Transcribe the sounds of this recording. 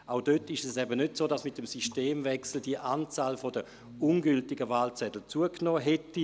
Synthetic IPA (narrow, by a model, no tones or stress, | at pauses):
ʔaʊdøtɪʃɛsɛbənøtsoːdasmɪt̚dəmsiʃteːmvɛksl̩d̥iəʔaːnt͡saːlfɔdə | unɡʏltɪɡəvaːlt͡sɛdl̩t͡suəknɔːɦɛti